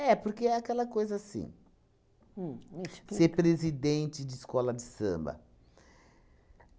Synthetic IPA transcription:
ɛpoɾkeɛakɛlɐkojzɐasḭ̃ | seɾpɾezid̪ẽnt͡ʃɪd͡ʒɪːskɔlɐd͡ʒɪsɐ̰̃mbɐ̰

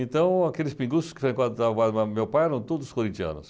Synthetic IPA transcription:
ẽnt̪ɐ̃w̃akelɪspĩŋɡusʊskɪ̥foɾj̃kad̪t̪akad̪mmewpajɛɾɐ̃w̃t̪od̪ʊzʊskoɾĩnt͡ʃ̪iɐ̰̃nʊ̰s

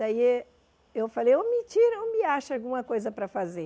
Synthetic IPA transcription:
ai | ewfalejõmɪt͡ʃiɾõmiaʃalɡũmɐkojzɐpɾɐfaze

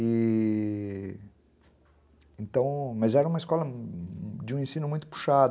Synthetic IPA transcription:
ɪ | ẽnt̪ɐ̃w̃mɐzɛɾɐũmɐiskɔlɐ | d͡ʒɪũẽsĩnʊmũj̃t̪ʊ̥pu̥ʃad̪

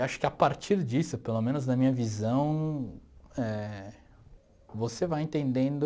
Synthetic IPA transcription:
waʃʊ̥kɪapaɾt͡ʃiɾd͡ʒisʊpelomẽnʊznɐmĩɲɐvizɐ̃w̃ | ɛ | vosevajẽnt̪ẽnd̪ẽnd̪ʊ

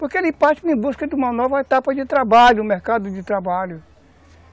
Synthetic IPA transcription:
poɾkeelɪ̃pat͡ʃɪnẽj̃buskɐd̪ɪũmɐnɔvɐet̪apɐd͡ʒɪt̪ɾabaʎʊmeɾkad̪ʊd͡ʒɪt̪ɾabaʎʊ

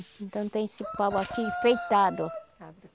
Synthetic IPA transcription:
ẽnt̪ɐ̃w̃t̪ẽj̃sipaβakifejt̪ad̪o

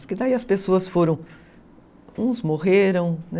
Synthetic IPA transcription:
pʊɾkɪd̪aiɐspesoɐsfoɾɐ̃w̃ | ũzmoʁeɾɐ̃w̃n

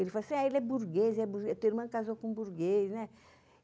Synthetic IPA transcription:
elɪfalɐsĩaelɛbuɾɡezɛbuɾɡet̪uiɾmɐ̃kazokõbuɾɡeznɛ

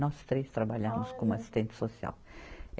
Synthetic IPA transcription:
nɔsst̪ɾest̪ɾabaʎamuskumasi̥st̪ẽnt̪sosja̰l

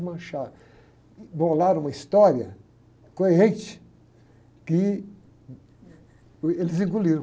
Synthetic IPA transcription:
mɐ̃ʃa | bolaɾũmɐist̪ɔɾjɐ | koeɦẽt͡ʃ | ki | elɪzĩŋɡuliɾ̃

